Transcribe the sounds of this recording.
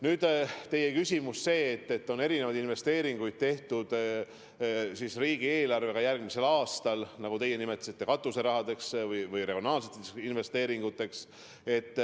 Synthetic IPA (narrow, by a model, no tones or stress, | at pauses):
nyːd̪̥t̪e̞je̞kysʲimusːse̞ːt̪ːe̞t̪ːo̞ne̞ɾinevɑjd̪inve̞st̪e̞ːɾiŋɡ̥ujd̪̥̚t̪e̞ht̪ud̪̥ | sisriːɡ̥ie̞ːlɑrve̞ɡɑjærɡ̥mise̞lɑːst̪ɑlnɑɡ̥ut̪e̞je̞nime̞t̪ːˑɑ̥sit̪ːe̞kɑt̪ːˑuse̞ɾɑɦɑd̪e̞ksvɯjvɯjreɡionɑːlset̪ːˑinve̞st̪e̞ːɾiŋɡut̪ːˑe̞ks | e̞t̪ː